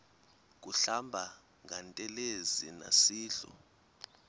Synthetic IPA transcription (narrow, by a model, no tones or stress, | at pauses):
k̬ʼuɬambʱa | ŋʱantʼɛlezina̰siːɬṵ